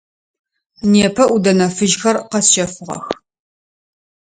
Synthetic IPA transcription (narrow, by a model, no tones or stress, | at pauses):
neːpʰɐʔudɐnɐfɨʒxɐrqɐsʃɐfɨʁɐ̰x